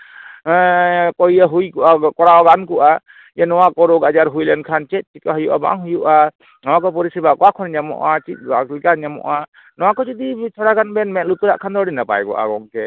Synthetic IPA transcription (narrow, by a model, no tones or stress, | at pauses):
kɔjaɦujkuʔakɔɾawɡankuʔa | janɔwakɔɾɔɡad͡ʒaɾɦujlɛnkʰant͡ʃɛt̪̚ˀt͡ʃikaɦɔjuʔa̰ba̰ŋɦujuʔa | nɔwakɔpɔɾisibakɔwakʰɔnɲamɔ̰ʔat͡ʃit̪̚ˀalikaɲamɔ̰ʔa | nɔwakɔd͡ʒid̪itʰɔɽaɡanbɛnmɛʔ̚lut̪uɾa̰ʔkʰand̪ɔɽinapa̰jɡɔ̰ʔa̰ɡɔŋkʰɛ